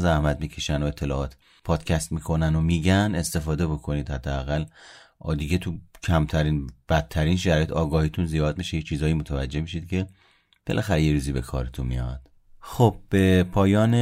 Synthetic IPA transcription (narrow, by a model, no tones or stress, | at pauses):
zæhmæd̪̚miːcʰeʃænoe̞t̪ʰːe̞lɒːɒːt̪ | pʰɒːd̪̥cʰæst̪miːkʰo̞nænomiːɟænest̪e̞fɒːd̪e̞bo̞kʰo̞niːd̪hæd̪ːeæɣæl | ʔd̪iɟe̞t̪ʰucʰæmt̪ʰæɾiːnb̥æt̪ʰːæɾiːnʃæɾɒːjet̪ʰɒːɡɒːhiːt̪ʰunzijɒːd̪̚miʃejet͡ʃʰiːzɒːjimo̞t̪ʰævæd͡ʒːe̞hmiʃid̪̚cʰe̞ | b̥e̞lʔæxæɾejeɾuːziːbe̞̰kʰɒ̰ːɾet̪ʰunmḭjɒ̰d̪̥ | xob̥̚b̥e̞pʰɒːjɒːne